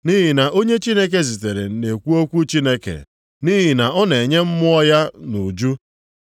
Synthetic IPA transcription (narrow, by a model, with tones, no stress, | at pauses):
ni˦ɦi˨na˨ʔo˦ɲe˦t͡ʃi˦ne˦k̬e˦zi˨te˨ɾe˨ne˨kʷu˦o˦kʷu˦t͡ʃi˦ne˦kḛ˨ | ni˦ɦi˨na˨ɔ˦ne˨ɲe˦m̩˦mʊ˦ɔ˦ja˦nu˨d͡ʒu˦